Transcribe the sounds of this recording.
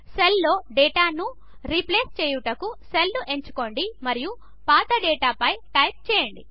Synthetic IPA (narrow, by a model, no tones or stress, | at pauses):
selːo̞ːɖɛːʈaːnu | ɾipleːst͡ʃɛːjuʈɐkuselːuʔe̞ɲt͡ʃu̥ko̞ɳɖimɐɾiju | paːt̪ɐɖɛːʈaːpɐjʈɐjp̚t͡ʃɛːjɐɳɖi